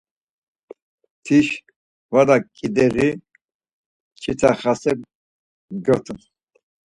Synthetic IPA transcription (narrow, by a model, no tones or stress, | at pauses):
t̪ʰiʃ | vad̪akʼid̪ɛɾi | t͡ʃʰit͡sʰaχasɛb | ɡɔt̪ʰu